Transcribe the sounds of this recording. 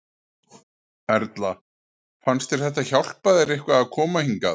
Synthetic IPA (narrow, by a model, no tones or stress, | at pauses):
ɛɾt̪la | fanst̪ɛɾ̥θɛht̪ːaçawl̥paðɪɾehkvaːðkʰɔːmahiŋka